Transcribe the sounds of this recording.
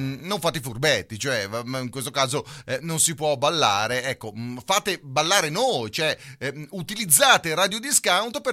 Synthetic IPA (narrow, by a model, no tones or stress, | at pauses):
noɱfaːt̪̬efurbɛt̪ːit͡ʃoɛiŋkwest̪okaːzononsipwɔbalːa̰ːɾeɛkːofaːt̪ebalːaːɾenoːjt͡ʃoɛut̪ilid̪zːaːt̪eɾaːd̪jiod̪iskawnt̪ope